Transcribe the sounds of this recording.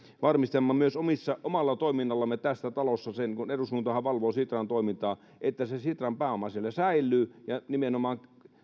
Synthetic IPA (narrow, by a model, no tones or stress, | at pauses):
ʋɑrmist̪emːɑmyøsomisːɑʔomɑlːɑt̪oˑiminːɑlːɑmːet̪æsːæt̪ɑlosːɑsenkunerushunt̪ohɑʋɑlʋoːsit̪rɑnt̪oˑimint̪ɑː | ʔet̪ːæsesit̪rɑmpæːomɑsielːæsæilːˑyːjɑnimenomɑːŋ